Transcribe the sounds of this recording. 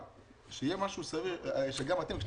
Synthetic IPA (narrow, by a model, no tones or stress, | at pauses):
ʃejemaʃusaviʁʃeɡamat̪emkʃ